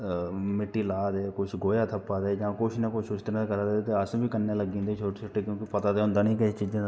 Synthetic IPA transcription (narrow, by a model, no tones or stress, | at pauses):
mɪʈːiːlaːd̪eːkʊt͡ʃʰɡoːjaːt̪ʰəpːaːd̪eːd͡ʒãːkʊt͡ʃʰnekʊʃʰʊst̪ɪnãkəɾad̪et̪eəsbʱiːkənːeːləɡĩːnd̪eːt͡ʃʰoːʈsɪʈekjõːkipət̪aːd̪eːʊ̃nd̪aːnĩːkɛt͡ʃiːd͡ʒã